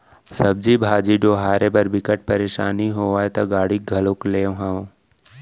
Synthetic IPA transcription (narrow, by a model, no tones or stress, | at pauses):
sɐb̚d͡ʒiːbʱaːd͡ʒiːɖoːɦaːɾʔebɐɾbɪkəʈ̚pɐɾeːʃa̰ːniɦoːʋaːet̪aɡaːɽiɡʱɐlokleːõɦaõ